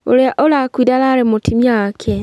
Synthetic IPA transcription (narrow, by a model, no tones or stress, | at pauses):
o̰ɾeaʔolakwidalaɾemotʰimjakʰe